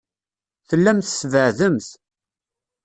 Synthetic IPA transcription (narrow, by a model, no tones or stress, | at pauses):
θəlːæmθəsvəʕðəmθ